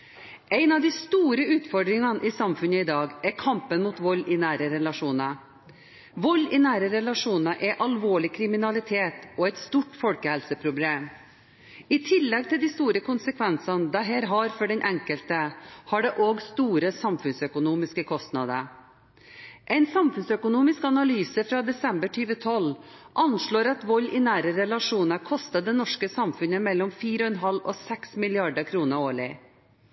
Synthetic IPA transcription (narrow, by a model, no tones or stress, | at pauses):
ʔæɪnɑʋd̪ɪst̪uːɾəʉːt̪fɔɖ̪ɾɪŋɑnʔisɑmfʉnəɪd̪ɑːɡɛɾkʰɑmpənmuːt̪ʋɔlːɪnæːɾəɾɛlɑʂuːnɑ | ʋɔlɪnæːɾəɾɛlɑʂuːnəʔɛʔɑlʋoːɭɪkʰɾɪmɪnɑlɪt̪ʰeːt̪ɔɛt̪st̪uːʈfɔlkəhɛlsəpʰɾʊbleːm | ɪt̪ʰɪlːɛɡ̚t̪ʰɪld̪ɪst̪uːɾəkʰʊnsəkʰʋɛnsɑnd̪ɑɦeːɾɦɑɾfɔɖɛnʔɛŋkəlt̪əhɑɖɛʔoːɡst̪uːɾəsɑmfʉnsœkʊnuːmɪskəkʰɔst̪nɑd̪ə | ʔɛɪnsɑmfʉnsœkʊnuːmɪskɑnɑlyːsəfɾɑːd̪ɛsɛmbəʈʰyːʋət̪ʰɔlʔɑnʂɭoːɾɑt̪ʋɔlːɪnæːɾəɾɛlɑʂuːnəkʰɔst̪ɑd̪ɛːnɔʂkəsɑmfʉnəmɛlːɔmfiːɾəɔɛnɦɑlɔsɛksmɪlɪɑɖəkʰɾuːnəɾoːɭɪ